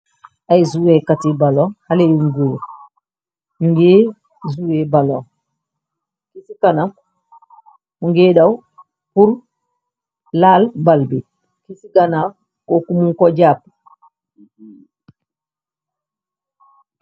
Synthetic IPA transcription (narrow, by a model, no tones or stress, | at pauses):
ajzuwekatibalohalejuŋɡu | nuŋɡe | zuwebalo | kisikana | muŋɡeːdaw | huɾ | laːlbalbi | kisiɡana | kokumuŋkoɟaːp